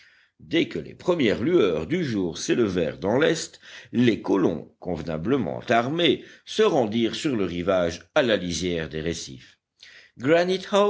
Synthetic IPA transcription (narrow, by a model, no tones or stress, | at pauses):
d̪ɛkəlḛpχəmjɛʁlyœʁd̪yʒuːʁseləvɛ̰ʁd̪ɑ̃lɛst̪lekɔlɔ̰̃kɔ̃vna̰bləmɑ̰̃t̪aʁmesəʁɑ̃d̪iːʁsyʁləʁivaʒalalizjɛʁd̪eʁesḭf | ɡʁanit̪ha